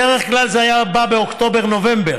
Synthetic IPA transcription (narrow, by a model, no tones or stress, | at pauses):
eʁeχklalzeajababeokt̪o̞beʁno̞ve̞mbeʁ